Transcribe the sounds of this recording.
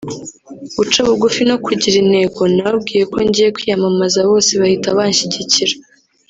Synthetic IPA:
βut͡ʃaβuɡufino̞kʰuɟiɾine̞ɡo̞naβab̚ɡiːje̞ko̞ɲɟiːje̞kwiːjamamazaβo̞ːseβahitaβaɲʃiɟiciɾa

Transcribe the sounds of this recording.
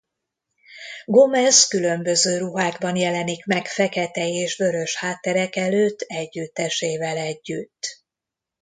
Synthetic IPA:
ɡo̞mɛzkylø̞mbø̞zøːɾuɦaːɡbɒnjɛlɛnikmɛkfɛkɛt̪ɛeːʃvø̞ɾø̞ʃhaːt̪ːɛɾɛkɛløːt̪ːɛɟːyt̪ːɛʃeːvɛlɛɟːyt̪ː

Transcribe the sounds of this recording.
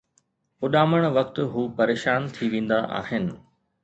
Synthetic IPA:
ʊɗaːməɽ̃ʋɐkt̪ʊɦuːpɐɾeːʃaːnt̪ʰiʋẽːn̆d̪aʔa̰ːɦɪnɪ̆

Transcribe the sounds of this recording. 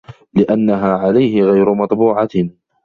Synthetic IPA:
lɪʔanːaɦaːʕalajhɪɣajɾʊmɑt̪ˤbuːʕɑ

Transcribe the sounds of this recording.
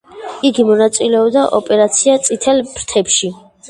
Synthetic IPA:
iɡimɔnat̪sʼilɛɔbd̪aʔɔpʼɛɾat̪sʰiat̪sʼit̪ʰɛlpɾt̪ʰɛpʃi

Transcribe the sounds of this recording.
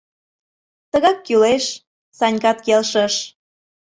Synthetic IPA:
t̪əɣɑkːyleʃ | sɑnʲkɑt̪kelʃəʃ

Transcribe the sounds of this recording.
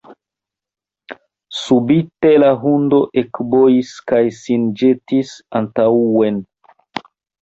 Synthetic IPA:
subitelaɦundo̞ʔekbojiskajsind͡ʒetisantauwen

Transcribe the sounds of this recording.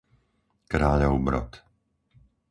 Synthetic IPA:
kɾaːʎɔʊbɾɔ̰t̪

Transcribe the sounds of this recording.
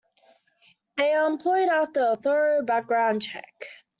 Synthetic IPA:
ðeɪəə̃mpʰl̥ɔɪɾæftəəθɜ˞oʊbæk̚ɡ̥ɹãʊ̃nt͡ʃʰɛ̰k

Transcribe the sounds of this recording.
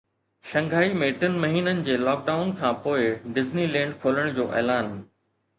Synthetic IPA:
ʃɐ̃ŋɡʱaːimẽʈɪnmɐɦiːnənɪ̆d͡ʑeːlɔːk̚ɖaːʊnkʰãːpoːɪɖɪznilɛ̃ːɳɖkʰoːləɽ̃d͡ʑoːʔɛːlaːn

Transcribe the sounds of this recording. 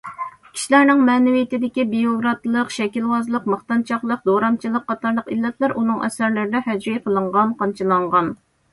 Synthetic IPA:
kʲʰi̥ʃilæɾnɪŋmɛːnɪwijɪt̪ɪd̪ɪkʲibijoɡɾɑt̪lˠəqʃɛkʲilwɑzlˠəqməχt̪ɑnt͡ʃʰɑχlˠəq̚d̪oɾɑmt͡ʃʰilˠəqʰːɑt̪ɑɾlˠəqilːɛt̪ʰlæɾʔunɨŋʔɛ̰sæɾlɪɾɪd̪ɛhæd͡ʒɾijqʰəlˠəɴʁɑnqʰɑnt͡ʃʰilˠɑɴʁɑn

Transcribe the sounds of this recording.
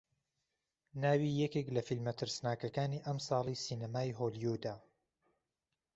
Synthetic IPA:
naːwiːjɛkeklɐfilmɐt̪ʰɨɾsnaːkɐkaːniːʔɐmsɑːlˠisiːnɐmaːjɦoːljud̪aː

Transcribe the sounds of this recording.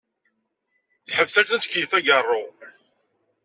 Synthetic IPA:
θħəvsækænt͡skijθæɡərˤːo

